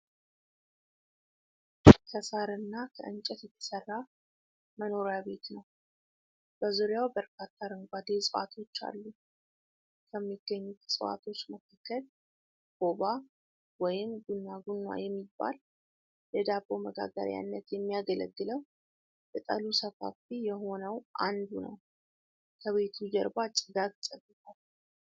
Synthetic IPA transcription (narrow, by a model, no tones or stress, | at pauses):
kʰəsaɾɨnːakʰəʔɨnt͡ʃʼɛt̪jɛt̪ʰə̥sərːa | məno̞ɾjabe̞t̪nəw | b̥əzuɾjawbəɾkʰat̪ʰːaɾəŋɡʷad̪e̞sʼəwa̰t̪ʰo̞t͡ʃːa̰lːu | kʰəmːiɡ̥ːəɲːut̪ʰsʼəwa̰t̪ʰo̞t͡ʃːməkʰakʰːəl | ɡ̥o̞ba | wɔjɪmɡunːaɡunːwa̰jɛmːibːa̰l | jɛd̪abo̞məɡa̰ɡə̰ɾja̰nːət̪jɛmːijaɡələ̰ɡːɨləw | jɛt̪ʼə̰lusəka̰fijɛɦo̞nəwʔand̪unə̰w | kʰəβe̞t̪ʰud͡ʒɛɾbat͡ʃʼɨɡaɡsʼəbːɨt̪ʰal